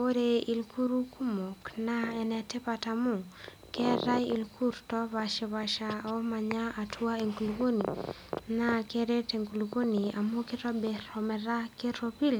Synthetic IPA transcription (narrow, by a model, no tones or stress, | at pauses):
oɾeilkuɾukʰumoknaɛnɛtɛpatamu | kɛɾajilkuɾtɔβaʃeβaʃaɔmaɲaatʰwaeŋkulukoni | nakeɾeteŋkulukoniamokeɾɔbɛɾɔmɛɾakeɾopil